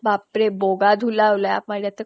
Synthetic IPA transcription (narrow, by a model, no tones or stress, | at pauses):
bapɾeboɡad̪ʱulaʋlaja̰pmaljat̪ə